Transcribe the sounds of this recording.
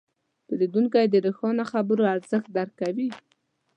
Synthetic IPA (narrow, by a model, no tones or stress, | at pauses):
pəɾid̪uŋkajd̪əɾəxɑnaxabəɾoaɾzəxt̪̚d̪aɾkːawi